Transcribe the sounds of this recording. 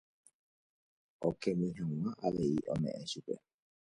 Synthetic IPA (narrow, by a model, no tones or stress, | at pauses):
okemĩɦãw̃ãʔaʋeiʔõ̰mẽʔẽʃupḛ